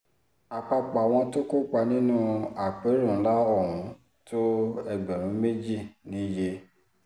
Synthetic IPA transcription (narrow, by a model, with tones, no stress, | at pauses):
a˨k͡pa˧k͡pa˨w̃ɔ̃˧to˦ko˦k͡pa˧nĩ˦nũ˦a˨k͡pe˨˦ɾũ˦˨˦la˦ɔ˦˨ɾũ˨˦ | to˦ɛ˧ɡ͡bɛ˨ɾ̃ũ˨˦me˦d͡ʒi˦˨nĩ˨˦je˧